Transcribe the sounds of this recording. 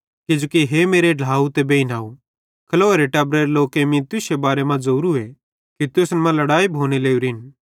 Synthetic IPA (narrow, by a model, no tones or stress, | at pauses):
kɪd͡ʒoːkiɦemeːɾeɖlaːut̪ebeːinaːu | kʰɐloːeɾeʈɛːbɾeɾloːkemĩt̪ʊsebaːɾemãd͡zɐuːɾue | kit̪ʊsnmãlɐɽaːibʱoːñeleːuɾɪn